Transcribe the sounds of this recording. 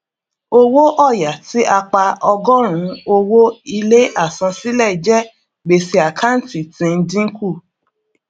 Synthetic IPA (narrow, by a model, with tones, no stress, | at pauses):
o˦wo˦ʔɔ˦˨ja˨ti˨˦ʔa˧k͡pa˧ɔ˧ɡɔ˦ɾ̃ũ˨˦o˧wo˦i˧le˦ʔa˦˨sɔ̃˧si˦lɛ˦˨d͡ʒɛ˦˨ | ɡ͡be˨si˧a˨kʰa˦n̩˦˨ti˨tĩ˧n̩˧˦dĩ˦ŋ̩˦ku˦˨